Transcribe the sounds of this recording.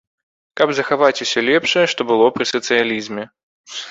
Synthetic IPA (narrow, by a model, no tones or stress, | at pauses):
kabzɐxavatʲsʲɔlʲɛpʂɨjɛʂt̪ɔbɨlˠɔpɾʲɪsɐt̪sɨjalʲizmʲɛ